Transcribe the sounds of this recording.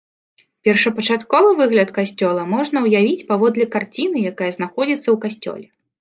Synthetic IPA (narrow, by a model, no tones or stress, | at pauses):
pʲɛrʂɐpɐt͡ʂat̪kɔvɨvɨɣlʲɐt̪kasʲt͡sʲɔlˠɐmɔʐnɐwjavʲit͡sʲpavɔd̪lʲɛkart͡sʲinɨjakajɐznaxɔd͡zʲit̪sːɐwkasʲt͡sʲɔ̰lʲɛ